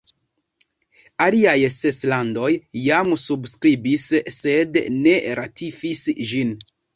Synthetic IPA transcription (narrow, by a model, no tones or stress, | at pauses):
aliajseslando̞jːamsubskɾibisːe̞dne̞ɾatʰifisʒin